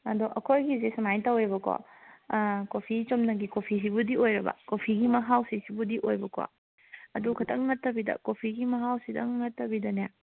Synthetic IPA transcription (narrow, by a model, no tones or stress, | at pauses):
ɐduʔɐkʰojɡizesɐmajtawebɐkʰo̰ | kopʰit͡ʃɐmnɐɡikopʰis̬ibudiojɾɐbɐ̰kopʰiɡimɐɦawsisibudiʔojbɐkʰɔ̰ | ɐdukʰɐtʰːɐŋnɐtːɐbidɐ̰kopʰiɡimɐɦawsidɐ̰ŋnɐtːɐbidɐna